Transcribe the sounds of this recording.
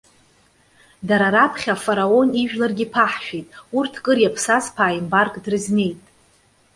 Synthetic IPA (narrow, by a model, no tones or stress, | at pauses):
daɾaɾapʰχʲafaɾao̞niʒᶣlarɡʲipʰaħʃᶣejtʼurtʰkʼɨrjapʰsazpʰaːimbarkʼdrɨzne̞jtʼ